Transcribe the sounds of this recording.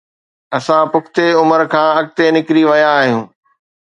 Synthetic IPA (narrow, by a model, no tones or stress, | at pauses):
ɐsãpʊkʰt̪eʊməɾkʰãːɐɡ̚t̪enɪkɾiʋɐjaːɦijũː